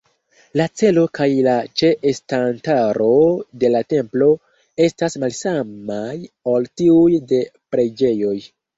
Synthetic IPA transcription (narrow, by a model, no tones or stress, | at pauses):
lat͡se̞lo̞kajlat͡ʃe̞ʔestantaɾo̞de̞late̞mplo̞ | e̞stasmalsamajoltiujde̞pɾe̞d͡ʒe̞jo̞j